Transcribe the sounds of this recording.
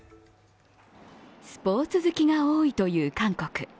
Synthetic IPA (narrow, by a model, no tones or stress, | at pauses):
sɨ̥po̞ːt͡sɨzɨkʲiɡaoːit̪o̞jɯ̟ːkãŋko̞kɯ̟̥